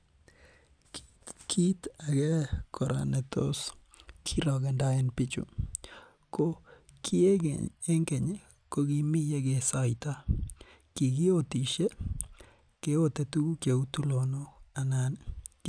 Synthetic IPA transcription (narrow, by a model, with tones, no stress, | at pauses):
k | kʰi˦t̪a˨ɡɛ˦kʰɔ˨ɾa̰˨nɛ˨t̪o̰˦s | kʰi˦ɾɔ˨ɡɛ˨nda˦ɛ˦npɪ˦t͡ʃṵ˨ | ko˦ | kʰɪ˦e˦ɡḛ˨e˦ŋke˨ɲe˦ | ko˦ɡi˦mi˦je˦ɡe˨sa˦i˨t̪a˦ | ki˨ɡɪ˦o˦t̪i˨ʃe˦ | ke˦o˦t̪ɛ˨t̪u˦ɡu˦ke˨u˦t̪u˦lo˨no˦a˨nan